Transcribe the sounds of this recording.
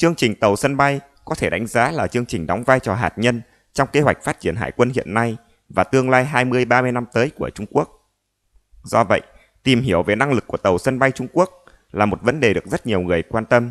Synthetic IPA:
t͡ɕɨ˧əŋt͡ɕï˨˩ŋ̟t̪ə˨˩wsə˧nɓa˧j | kɔ˨˦t̪ʰe˧˩ɗa˨˦jŋ̟zaː˨˦laː˨˩t͡ɕɨ˧əŋt͡ɕï˨˩ŋ̟ɗɔ˨˦wŋ͡mvaː˧jt͡ɕɔ˨˩ɦaː˨˩t̚ɲə˧n | t͡ɕɔ˧wŋ͡mke˧hwa˨˩k̚faː˦˥t̚t͡ɕi˧˩ənɦa̰ː˧˩jkwə˧nɦḭ˧˨ənːa˧j | vaː˨˩t̪ɨ˧əŋlaː˧jɦaː˧jmɨ˧əjɓaː˧mɨ˧jna˧mt̪əː˨˦jku˧˩ət͡ɕʊ˧ŋ͡mku˦˥ək̚ | zɔ˧və̰˧˨j | t̪i˨˩mɦi˧˩əwve˨˩na˧ŋlɨ˨˩k̚ːu˧˩ət̪ə˨˩wsə˧nɓa˧jt͡ɕʊ˧ŋ͡mku˦˥ək̚ | laː˨˩mo˨˩t̚və˨˦nɗe˨˩ɗɨ˨˩ək̚zə˦˥t̚ɲi˨˩əwŋɨ˨˩əjkwaː˧nt̪ə˧m

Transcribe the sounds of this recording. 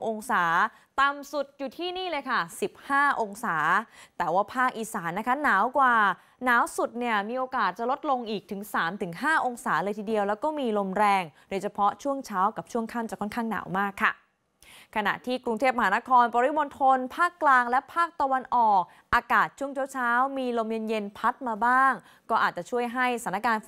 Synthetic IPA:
ʔo˧ŋsaː˩˦ | t̪a˨˧msu˨˩t̪̚juː˨˩t̪ʰiː˥˩niː˥˩lɤː˧jkʰa˥˩si˨˩p̚haː˥˩ʔo˧ŋsaː˩˦t̪ɛː˨˩waː˥˩pʰaː˥˩k̚ʔiː˨˩saː˩˦nːa˦˥kʰa˦˥naː˩˦wkwaː˨˩ | naː˩˦wsu˨˩t̪̚ni˥˩ɐmiː˧ʔoː˧kaː˨˩t̪̚t͡ɕa˨˩lo˦˥t̪̚lo˧ŋʔiː˨˩k̚t̪ʰɯ˩˦ŋsaː˩˦mt̪ʰɯ˩˦ŋɦaː˥˩ʔo˧ŋsaː˩˦lɤː˧jt̪ʰiː˧di˧əwlɛː˦˥wkɔː˥˩miː˧lo˧mɾɛː˧ŋdoː˧jt͡ɕʰa˧pʰɔ˦˥t͡ɕʰu˥˩əŋt͡ɕʰaː˦˥wka˨˩p̚t͡ɕʰu˥˩əŋkʰaː˥˩mt͡ɕa˨˩kʰɔ˥˩nkʰaː˥˩ŋna̰ː˩˦wmaː˥˩kʰːa̰˥˩ | kʰa˧na̰˨˩t̪ʰiː˥˩kɾu˧ŋt̪ʰeː˥˩p̚ma˧ɦaː˩˦na˦˥kʰɔː˧npɔː˧ɾi˦˥mo˧nt̪ʰo˧npʰaː˥˩kːlaː˧ŋlɛ˦˥pʰaː˥˩k̚t̪a˧wa˧nʔɔː˨˩k̚ | ʔaː˧kaː˨˩t̪̚t͡ɕʰu˥˩əŋt͡ɕʰu˥˩˨wt͡ɕʰaː˦˥wmiː˧lo˧mje˧nje˧npʰa˦˥t̪̚maː˧baː˥˩ŋ | kɔː˥˩ʔaː˨˩t͡ɕa˨˩t͡ɕʰu˥˩əjɦa˥˩jsa˩˦na˥kaː˧n

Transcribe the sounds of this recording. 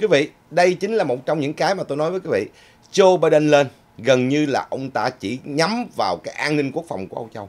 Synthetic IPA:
kwi˨˦vḭ˧˨ | ɗə˧jt͡ɕï˨˦ŋ̟laː˨˩mo˨˩t̚t͡ɕɔ˧wŋ͡mɲɨ̰˧˥ŋkaː˨˦jmaː˨˩t̪o˧jnɔ˨˦jvəː˨˦jkwi˨˦vḭ˧˨ | t͡ɕo˧ɓaː˧jɗə˧nle˧n | ɣə˨˩nɲɨ˧laː˨˩ʔə˧wŋ͡mt̪a̰ː˧˥t͡ɕḭ˧˩ɲa˨˦mvaː˨˩wkaː˨˦jʔaː˧nnï˧ŋ̟ku˦˥ək̚fɔ˨˩wŋ͡mku˧˩əʔə˧wŋ͡mt͡ɕa˧w

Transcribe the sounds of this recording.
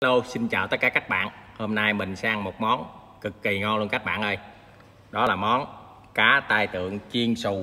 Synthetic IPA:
lo˧wsi˧nt͡ɕa̰ː˧˨wt̪ə˦˥kaː˧˩ka˦˥jk̚ɓa̰ː˧˨nhoː˧mna˧jmï˨˩ŋ̟saː˧ŋmo˨˩t̚mɔ˨˦n | kɨ˨˩kːi˨˩ŋɔ˧nlu˧nkaː˦˥k̚ɓa̰ː˧˨nʔə˧j | ɗɔ˨˦laː˨˩mɔ˨˦n | kaː˨˦t̪aː˧jt̪ɨ̰˧˨əŋt͡ɕi˧ənsu˨˩

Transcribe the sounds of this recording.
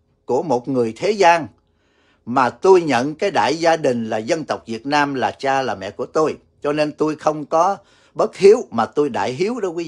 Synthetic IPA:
ku˧˩əmo˨˩t̚ŋɨ˨˩əjt̪ʰe˨˦zaː˧n | maː˨˩t̪o˧jɲə̰˧˨nkaː˨˦jɗa̰ː˧˨jzaː˧ɗï˨˩ŋ̟laː˨˩zə˧nt̪ə˨˩wk͡p̚vi˨˩ət̚naː˧mlaː˨˩t͡ɕaː˧laː˨˩mɛ̰˧˨ku˧˩ət̪o˧j | t͡ɕɔ˧ne˧nt̪o˧jxə˧wŋ͡mkɔ˨˦ | ɓə˦˥t̚hi˨˦əwmaː˨˩t̪o˧jɗa̰ː˧˨jɦi˨˦əwɗɔ˧˦kwi˨˦

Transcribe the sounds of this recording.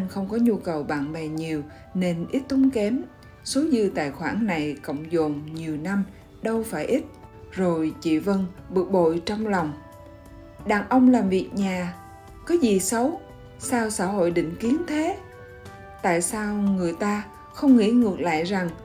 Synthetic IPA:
nxə˧wŋ͡mkɔ˨˦ɲu˧kə˨˩wɓa̰ː˧˨nɓɛ˨˩ɲi˨˩əw | ne˧nʔi˦˥t̚t̪o˨˦ŋ͡mkɛ˨˦m | so˨˦zɨ˧t̪a̰ː˧˨jxwaː˧˩nna˨˩jkə̰˧˨wŋ͡mzo˨˩nɲi˨˩əwna˧m | ɗə˧wfaː˧˩jʔi˦˥t̚ | zo˨˩jt͡ɕḭ˧˨və˧nɓɨ˨˩ək̚ɓo̰˧˨jt͡ɕɔ˧wŋ͡mlɔ˨˩wŋ͡m | ɗaː˨˩ŋʔə˧wŋ͡mlaː˨˩mvi˨˩ək̚ɲaː˨˩ | kɔ˨˦zi˨˩sə˨˦w | saː˧wsaː˧˩ɦo̰˧˨jɗḭ̈˧˨ŋ̟ki˨˦ənt̪ʰe˨˦ | t̪a̰ː˧˨jsaː˧wŋɨ˨˩əjt̪aː˧ | xə˧wŋ͡mŋḭ˧˥ŋɨ˨˩ək̚la̰ː˧˨jza˨˩ŋ

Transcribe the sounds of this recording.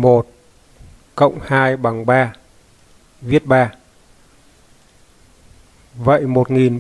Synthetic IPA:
mo˨˩t̚ | kə̰˧˨wŋ͡mhaː˧jɓa˨˩ŋɓaː˧ | vi˦˥ət̚ɓaː˧ | və̰˧˨jmo˨˩t̚ŋi˨˩n

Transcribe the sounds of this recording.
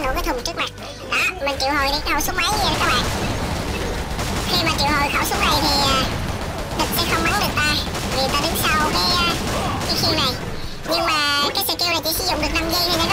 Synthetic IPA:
no̰˧˩kaː˨˦t̪ʰŋ͡mt͡ɕɨ˦˥k̚ma˨˩t̚ | ʔaː˨˩mï˨˩ŋ̟t͡ɕi˧˨whɦo˨˩jɗi˧˩khə˧˩wsʊ˦˥ŋ͡mma˨˦jzə˨˩kaː˦˥k̚ɓa̰ː˧˩n˨˩ | xi˧maː˨˩t͡ɕi˧˨əho˨˩ja˨˧˩wsʊ˨˦ŋ͡m̚na˨˩jt̪ʰi˨˩a˨˩ | ɗ̪ə˨˩k̚ka˨˧˦xə˧wŋ͡mma˨˦nɗɨ˨˩ək̚t̪aː˧ | i˨˩˨t̪aː˧ɗe˨˦nsa˧wkaː˨˦j | t͡ɕi˨˦ŋ͡msi˧wna˨˩j | ɲɨ˧ŋmaː˨˩˦kaː˨˦jsə̰˧˩ki˧wna˨˩jt͡ɕi˧˥sɨ̰˧˥zʊ̰˧˨ŋ͡mɗɨ˨˩ək̚naː˧mzə˧jt̪ʰi˨˩na˨˦n

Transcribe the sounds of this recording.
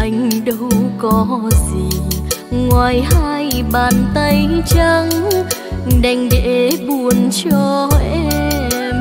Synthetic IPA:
ʔa˨˩jŋ̟ɗə˧wwkɔ˨˦zi˨˩ŋwaː˨˩jhaː˧jɓaː˨˩nt̪ə˧jt͡ɕə˧ŋ | ɗa˧jŋ̟ɗḛ˧˥ɓu˨˧˩ənt͡ɕɔ˧ʔɛ˧m

